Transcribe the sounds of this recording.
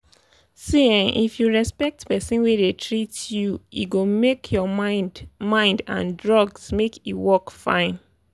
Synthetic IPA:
siɪ̃ŋʔḭfjuɹɛspɛk̚tpɛsĩnwedetʰɹitjuḭɡomekʰjɔamãɪ̃ndã̰ndɹɔɡsmekiwɔkfã̰ɪ̃n

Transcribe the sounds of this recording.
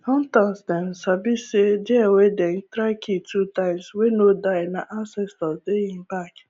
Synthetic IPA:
sɔ̃n̩tãmsdɛn̩sabised͡ʒɛaweden̩tɾakʰitʰutãɪ̃mswenodaɪnaʔansɛstɔsdeiŋ̩bak

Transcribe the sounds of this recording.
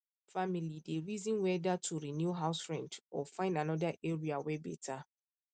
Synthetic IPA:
familideɹizɔ̃nwɛdatʰuɹinjuɦaʊsfɹɛ̃ndɔfãɪ̃ndanɔdaʔeɹiawɛbɛ̰tʰa

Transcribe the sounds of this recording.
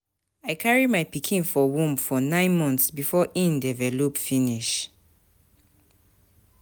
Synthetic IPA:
aɪkʰaɹimaɪpikʰĩnfɔwũmbfɔnãɪ̃nmɔ̃ntsbifɔʔĩndɛvɛlopfiniʃ

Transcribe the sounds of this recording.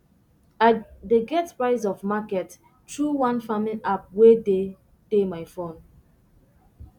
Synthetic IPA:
adeɡɛtpɹaɪs̬ɔfmakɛt | tɹuwãnfamiʔap̚wede | temaɪfõn

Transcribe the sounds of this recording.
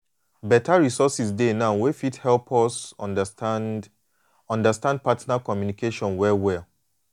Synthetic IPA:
bɛtaɹisɔsisdenãʊwefithɛlpʰɔs | ɔ̃ndastãnd̚patnakɔmjunikeʃɔ̃nwɛwɛ

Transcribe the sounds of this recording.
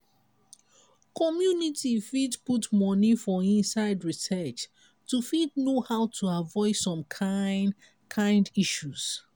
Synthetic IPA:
kɔmjunitifidputmɔnifɔĩnsaɪdɹisɛt͡ʃ | tufidnohaʊtʰuavɔɪsɔ̃mkʰ | kʰãɪ̃ndiʃuz̥

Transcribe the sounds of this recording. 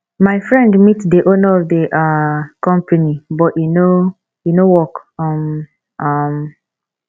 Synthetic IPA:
maɪfɹɛ̃ndmitdeʔonaɔvdeʔakɔ̃mpʰanibɔtino | jinowɔkɔm | ʔam

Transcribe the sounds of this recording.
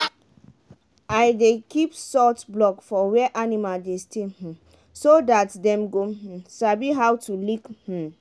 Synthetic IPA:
ajdekipsɔtblɔkfɔwɛʔanimaldestʰeh̩ | sodatdɛ̃mɡõsabiɦawtulikh̩

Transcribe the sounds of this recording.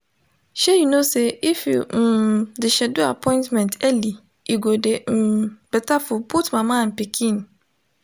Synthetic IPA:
ɕɛjunõsɛɪfjum̩dɪɕɛdʊapʰɔ̃ɪ̃ntmɛ̃ntʰæli | iɡodem̩b̥ɛtʰafʊbʰʊtmãmãm̩pikʰĩn

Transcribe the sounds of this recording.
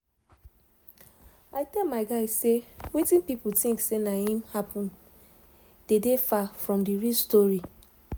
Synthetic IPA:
aɪtɛlmaɪɡaɪssewetĩnpiputĩŋksenahĩmhapʰɔ̃n | d̥edefafɹɔ̃mdiɹistɔɹi

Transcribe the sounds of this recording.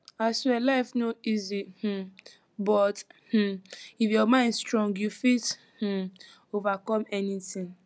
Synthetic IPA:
aselaɪfnoizih̩ | bɔth̩ifjɔmãɪ̃nstɹɔ̃ŋɡjufit | h̩ | ovakɔmɛnitĩŋ

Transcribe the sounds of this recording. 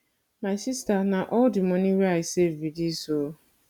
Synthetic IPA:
masistanaʔɔdɪmɔ̃niɾeaɪsevidiso

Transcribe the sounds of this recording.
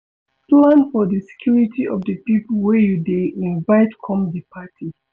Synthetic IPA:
plãnfɔðəsɛ̥kʰjuɹitʰiʔɔvdəpipolwɛjudeʔĩnvaɪtkʰɔ̃mdipʰatʰi

